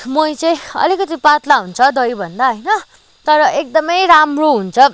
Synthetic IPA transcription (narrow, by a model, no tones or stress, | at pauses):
mʌjt͡sʌj̃ʌ̰likʌt̪ipat̪laɦunt͡sʰʌd̪ʌjbʱʌnd̪aɦʌjnʌ | t̪ʌɾʌʔek̚d̪ʌmʌjɾamroɦunt͡sʰʌ